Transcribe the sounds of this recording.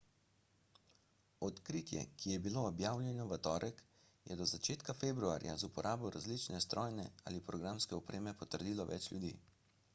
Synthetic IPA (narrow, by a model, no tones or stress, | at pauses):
ɔt̪kɾiːt̪jɛ̰kijɛbiloɔbjaːwlʲjɛnjuʋət̪ɔːɾʔɛk | jɛ̰d̪ɔzat͡ʃeːt̪kafeːbɾua̰ːɾja̰zupɔɾʔaːbɔɾazlit͡ʃnɛst̪ɾɔːjnɛa̰ːlipɾɔɡɾamskɛɔpɾeːmɛpɔt̪əɾd̪iːlɔʋɛ̰t͡ʃlʲjud̪ḭː